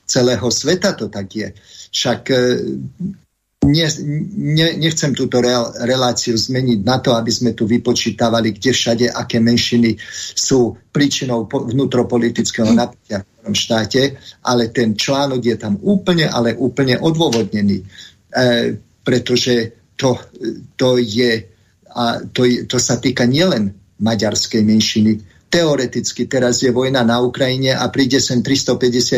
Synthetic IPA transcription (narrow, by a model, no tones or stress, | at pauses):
t͡sɛlɛːɦɔsʋɛt̪at̪ɔt̪aɡjɛfʃak | ɲɛɲɛɲɛxt͡sɛmt̪uːt̪ɔɾɾɛlaːt͡siuzmɛɲiɟnat̪ɔabizmɛt̪uʋipɔt͡ʃiːt̪aʋaliɡɟɛfʃaɟɛʔakɛːmɛnʃinisuːpɾiːt͡ʃinɔʊpʋnuːt̪ɾɔpɔlit̪it͡skɛɦɔnapɛcɪafɔɾɔmʃt̪aːcɛʔalɛt̪ɛnt͡ʃlaːnɔɡjɛt̪amuːpl̩ɲɛʔalɛʔuːpl̩ɲɛʔɔd̪ʋɔʋɔd̪ɲɛniː | pɾɛt̪ɔʒɛ | t̪ɔt̪ɔjɛ | at̪ɔjt̪ɔsat̪iːkaɲɪɛlɛn | maɟaɾskɛjmɛnʃini | t̪ɛɔɾɛt̪it͡skit̪ɛɾazjɛʋɔjnanaukɾajiɲɛʔapɾiːɟɛsɛnt̪ɾist̪ɔpɛɟɛsɪa